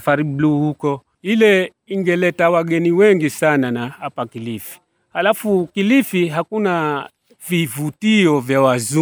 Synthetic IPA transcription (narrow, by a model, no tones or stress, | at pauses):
faɾibluːhukɔ | ilɛ | iŋɡɛlɛtawaɠɛniwɛŋɡisananahapakilifi̥ | halafukilifiɦakuna | vivutiɔvjawazu